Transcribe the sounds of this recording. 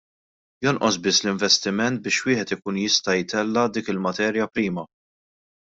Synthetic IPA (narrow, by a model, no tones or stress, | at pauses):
jɔnʔɔsbɪsːlɪɱvɛst̪ɪmɛnt̪̚bɪːʃwɪːħɛt̪ɪkuːnjɪst̪ɐjt̪ɛlːɐd̪iːkɪlmɐt̪ɛːɾjɐpɾiːmɐ